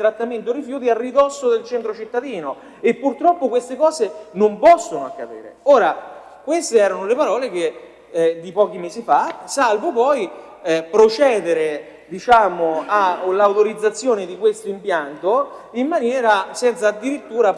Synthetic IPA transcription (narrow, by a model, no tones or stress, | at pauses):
t̪ɾat̪ːament̪̬oɾifjuːt̪̬iarːid̪ɔsːod̪elt͡ʃɛnt̪ɾot͡ʃit̪ːad̪iːno | epːurt̪ɾɔpːokwest̪ekɔːzenompɔsːonoakːapḭːɾḛoːɾa | kwest̪eɛːɾanolepaɾɔːlek̟e | d̪ipɔːk̟imeːsifasalvopɔj | pɾot͡ʃɛːd̪eɾe | d̪it͡ʃaːmoalawt̪oɾid̪zːat̪sːjoːned̪ikwest̪oimpjant̪o | imːanjɛːɾasɛnt̪saːd̪ːiɾit̪ːuːɾa